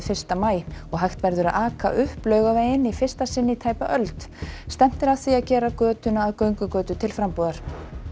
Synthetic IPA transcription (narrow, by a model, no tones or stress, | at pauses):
fɪr̥st̪amaːjɔɣɦajxt̪vɛɾðʏɾaðaːkʰa̰ʔʏhplœːɥɣaveːjɪnifɪr̥st̪asɪnːɪit̪ʰaːjpaʔœlt̪st̪ɛm̥t̪ɪɾaθiaðcɛːɾakœːt̪ʏnaːðkœɥŋkʏkœːt̪ʏt̪ʰɪlfɾampuːðaɾ̥